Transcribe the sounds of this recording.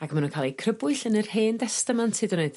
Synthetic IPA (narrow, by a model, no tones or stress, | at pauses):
akmanunkʰaːlˠikʰrəbʊɨɬənərheːndɛstəmantʰɨdɔneɨd̥